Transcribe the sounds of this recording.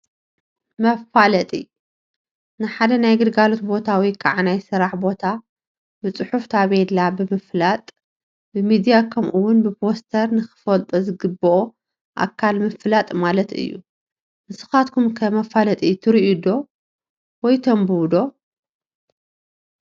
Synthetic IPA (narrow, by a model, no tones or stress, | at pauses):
mɐfalɐt̪ʼḭ | nɨħad̪ɐnajɡɨɾɡalot̪bo̞t̪ʰawikʰaʕanajsɨɾaħbo̞t̪ʰa | bɨt͡sʼɨħuft̪ʰaβed̪labɨmɨflat̪ʼ | bɨmid̪ijakʰɐmʔuwːʊnbɨpʰo̞st̪ʰɐɾnɨxɨ̥fɐlt̪ʼozɨɡɨbɔʔo | ʔa̰kʰːalmɨflat̪ʼmalɐt̪ɨ̰jːṵ | ʔɨsɨ̥xat̪kʰumkʰɐmɐfalɐt̪ʼit̪ʰɨɾiʔud̪o̞ | wɔjt̪ʰombɨwd̪o̞